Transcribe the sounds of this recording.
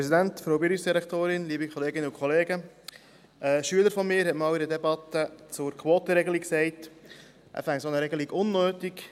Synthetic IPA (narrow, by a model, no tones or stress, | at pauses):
ɛsidæntfɾoʊbɪɾifsd̥̪iɾɛktoːɾɪnliːbikʰχɔleːɡɪnːəukʰχɔleːɡə | əʃyələɾfɔmɪːɾhɛtmɑːwiɾədɛbɑtət͡sʊɾkʰwoːtəɾeɡəliksɛɪt | ʔæ̰fɛŋsonəɾeɡəliɡʊnːøːtik